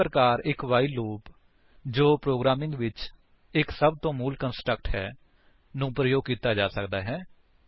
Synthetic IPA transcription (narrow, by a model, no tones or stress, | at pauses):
ɾəkaːɾɪkʋaːiːloːp | d͡ʒoːpɾoːɡɾaːmɪ̃ŋɡʋɪt͡ʃ | ɪksəb̚t̪õːmuːlkənsʈɾəkʈɦɛː | nũːpɾəjoːɡ̚kiːt̪aːd͡ʒaːsəkd̪aːɦɛː